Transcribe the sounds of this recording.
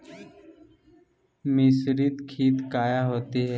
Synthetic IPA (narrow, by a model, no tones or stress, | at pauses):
mɪsɾit̪kʰiːt̪kaːjaɦoːt̪eɦɛː